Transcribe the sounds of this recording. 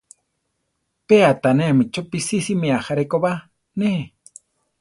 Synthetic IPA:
peat̪anemit͡ʃopisisimeaxaɾekoβa | ne

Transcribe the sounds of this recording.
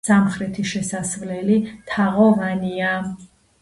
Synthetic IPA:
samχɾɛt̪ʰiʃɛsasvlɛlit̪ʰaʁɔvania

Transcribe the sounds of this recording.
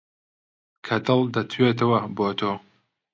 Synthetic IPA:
kʰɐt̪ɨlˠd̪ɐt̪ʰweːt̪ɐwɐboːt̪ʰoː

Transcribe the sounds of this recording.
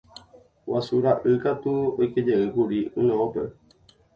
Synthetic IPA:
wʔasuɾaʔɨkat̪uoiked͡ʒeŋ̩ɡuɾiunɔ̃opə

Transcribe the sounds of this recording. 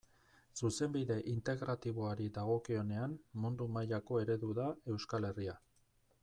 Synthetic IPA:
suse̞mbiðe̞ʔint̪e̞ɣɾat̪iβo̞aɾid̪aɣ̞o̞kio̞ne̞anmund̪umajako̞e̞ɾe̞ðuðae̞wskale̞ria

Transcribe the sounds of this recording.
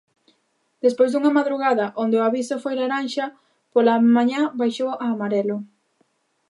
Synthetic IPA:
d̪̥espojzd̪uŋɐmaðɾuɣaðɐʔond̪eʊaβisofojlaɾanʃɐ | polamaɲãbajʃowʔaːmaɾɛlo

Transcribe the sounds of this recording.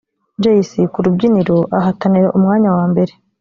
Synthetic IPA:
ɲd͡ʒejisikuɾubɟiniɾo̞ʔaɦataniɾaʔumŋaːɲawaːmbe̞ɾe

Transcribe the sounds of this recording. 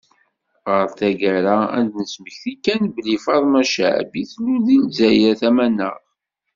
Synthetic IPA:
ʁəɾˤθæɡæɾææ̰nd̪nəsməçθikːænbəlifɑɾˤmæʃʕ̰biθlːuðilzæjæθæmænːə̰ʁ

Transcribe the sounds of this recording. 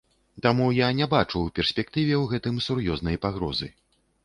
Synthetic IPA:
t̪amujanʲɛbat͡ʂupʲɛrsʲpʲɛk̚t̪ɨvʲɛwɣɛt̪ɨmsurjɔznɐjpaɣɾɔzɨ̰

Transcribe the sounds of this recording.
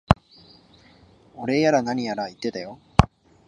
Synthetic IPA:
o̞ɾe̞jaɾanaɲ̟ijaɾait̪ːe̞t̪ajo̞

